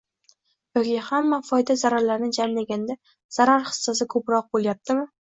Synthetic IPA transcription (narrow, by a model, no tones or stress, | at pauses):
jɒkʲihamːafɒjd̪azaɾaɾlaɾnɪd͡ʒamlaɡʲand̪a | z̥aɾaɾχɨ̥sːas̬ɪkʰɵpɾɒq̚bolˠjap̚t̪ʰɪmɪ